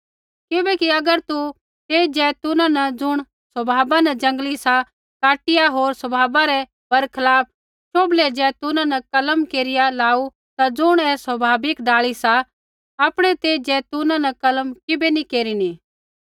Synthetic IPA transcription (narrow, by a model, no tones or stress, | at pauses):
kɪbɛkiɐɡəɾt̪u | t̪eːd͡ʒɛːt̪ʊnãnɐd͡zʊɽ̃ | sɐbʱaːbanɐd͡ʒɐ̃ŋɡlisa | kaːʈɪjaɦoːɾsəbʱaːbaɾɛ | b̥ʱɐɾkʰɐlaːp̚ʰ | t͡ʃʰoːblɛd͡ʒɛːt̪ʊnãnɐkɐləmkeːɾɪjalaːu | t̪ad͡zʊɽ̃ɛsɐbʱaːbɪkɖaːɭisa | aːpɽ̃ɛt̪eːd͡ʒɛt̪ʊnãnɐkɐləmkɪbenikeːɾini